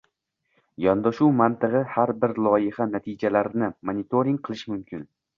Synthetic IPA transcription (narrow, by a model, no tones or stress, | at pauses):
jɒnd̪aʃuwmant̪ʰɨʁɨhaɾbɪɾlˠɒjɪhanat̪ʰid͡ʒalaɾnɪmonɪt̪ʰoɾiŋqʰɨlˠɪʃmʊmkʲʰɪn